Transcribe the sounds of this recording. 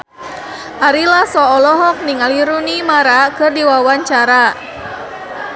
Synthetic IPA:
ʔaɾilahsɔːlɔɦɔk̚niŋaliɾunimaɾakɨrdiwawaɲt͡ʃaɾa

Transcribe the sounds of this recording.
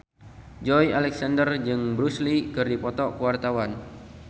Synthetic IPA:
d͡ʒɔjalɛksandərd͡ʒɨŋbɾuslikɨrdipɔt̪ɔkuwart̪awan

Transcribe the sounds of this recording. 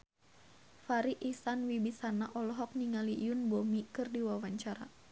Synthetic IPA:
faɾiʔisanwibisanaʔɔlɔɦɔk̚niŋaliʔʊnbɔmikɨrdiwawaɲt͡ʃaɾa̰

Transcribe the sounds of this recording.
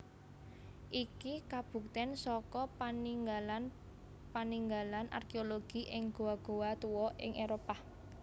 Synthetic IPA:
ʔikikab̥ṳkt̪ɛnsɔkɔpaniŋɡalan | paniŋɡalanʔa̰rkeoloɡ̥i̤ʔɪŋɡ̥o̤waɡ̥o̤wat̪uwɔʔɪ̰ŋʔeɾopa

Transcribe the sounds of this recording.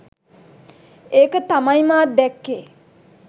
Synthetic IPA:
eːkət̪amajmaːd̪ɛkːeː

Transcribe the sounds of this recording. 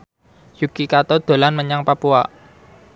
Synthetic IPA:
jukikat̪ɔd̪̥o̤lanməɲaŋpapua

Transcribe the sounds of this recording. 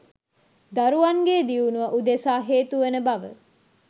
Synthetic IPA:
d̪aɾuʋaŋɡeːd̪iunuʋɐʔud̪esaːɦeːt̪uʋenəbaʋə̰

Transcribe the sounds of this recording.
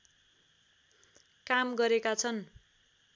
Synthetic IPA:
kamɡʌɾekat͡sʰʌn

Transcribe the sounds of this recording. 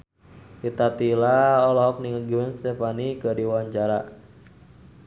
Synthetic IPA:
it̪at̪ilaɔlɔɦɔk̚niŋəɡimɛnst̪ɛfanikədiwaɲt͡ʃaɾa

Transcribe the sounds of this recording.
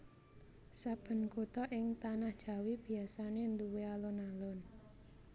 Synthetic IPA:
sab̥ə̤nkut̪ɔʔɪŋt̪anahd̥ʒ̥a̤wib̥i̤asanend̪uwealonalɔn

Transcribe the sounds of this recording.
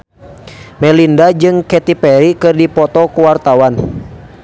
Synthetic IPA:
mɛlindad͡ʒɨŋkɛt̪ipɛɾikɨrdipɔt̪ɔkuwart̪awan

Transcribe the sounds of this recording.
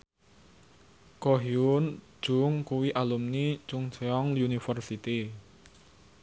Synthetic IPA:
koɦiun̥ | ʒ̥ʊŋkuwiʔalumnit͡ʃʊŋt͡ʃɛɔŋlunifərsit̪i

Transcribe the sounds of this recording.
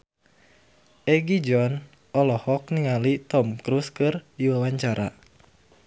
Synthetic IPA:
ʔɛɡid͡ʒɔn | ʔɔlɔhɔk̚niŋalit̪ɔmkɾuskɨrdiwawaɲt͡ʃaɾa̰

